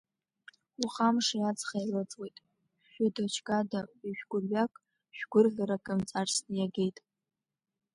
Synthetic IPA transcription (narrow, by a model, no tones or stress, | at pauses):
uχamʂajat͡sχajlɨt͡sʼwejtʼ | ʃᶣadot͡ʃʰɡʼadaiʃᶣɡʷʊrɥakʼ | ʃᶣɡ̥ʷʊrʁʲaɾakʼɨmt͡sʼarstɨjaɡʲe̞jtʼ